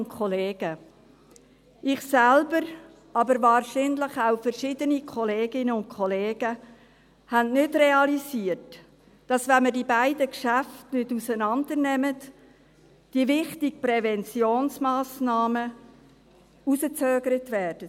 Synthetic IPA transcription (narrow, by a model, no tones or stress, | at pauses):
nkʰɔleːɡ̥ə | ʔɪχsælbəɾ | ʔɑbəɾvɑːrʃinləχaʊfɛrʃiːdənikʰɔleːɡɪnəʊnt̚kʰɔleːɡ̥ə | hænnʏdrɛɑlisiərt | d̥ɑsʋɛnmədibæɪdəkʃæftnʏdusənɑnd̪əɾnɛmət | d̥ivɪχtɪɡ̚pɾɛvɛnt͡sjoːnsmaːsnɑːmə | usət͡søːɡəɾətvɛːɾd̥ə